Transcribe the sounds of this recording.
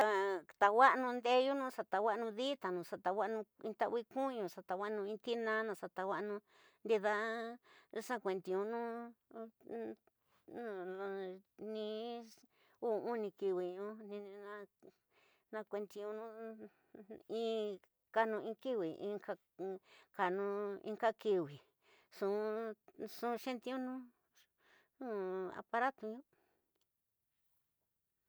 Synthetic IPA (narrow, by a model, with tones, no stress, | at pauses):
a˧t̪a˧wa˦ʔnũ˧nd̪e˦ju˦nũ˦sa˧t̪a˧wa˦˧nũ˧ði˦t̪a˨nũ˨sa˧t̪a˧wa˦˧nũ˧ĩ˧t̪a˦˧i˦kũ˦˧ɲũ˧˨sa˧t̪a˧wa˦ʔnũ˧ĩ˧t̪i˦nã˦nã˧sa˧t̪a˧wa˦ʔnũ˧ | nd̪i˧ða˧ | a˦ʂã˦kʷe˧nt̪i˧ũ˧nũ˦ | nũ˧ | nĩ˧ | u˦˨ũ˦nĩ˧ki˧wi˧ɲũ˧˦nĩ˧nã˧ | nã˧kʷe˧nt̪i˧ũ˧nũ˦ | ĩ˧˦ | ka˧nũ˧ĩ˧ki˦wi˨ḭ̃˧˦ka˧ | ka˧nũ˧ḭ̃˧ŋka˦ki˧wi˨ | sũ˧sũ˧˦˧ʃẽ˦nt̪i˧˦ũ˦nũ˦ | nũ˦a̰˧pa˧ɾa˦t̪u˧ɲũ˦